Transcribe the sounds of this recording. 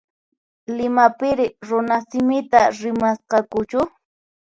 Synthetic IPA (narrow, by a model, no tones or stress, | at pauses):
lɪmapɪɾɪɾʊnasɪmɪt̪aɾɪmasqɑkʊt͡ʃʊ